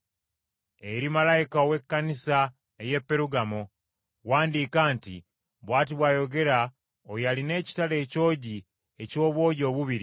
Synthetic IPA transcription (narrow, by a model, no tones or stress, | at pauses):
eɾimalaikaowe̞kːanisa | ejepːe̞ɾuɡamo | waːndikaːntḭ | βwaːtiβwaːjo̞ɡe̞ɾa | ojaline̞ːci̥tale̞ːco̞ːɟi | eco̞ːβwo̞ːɟo̞ːβuβiɾi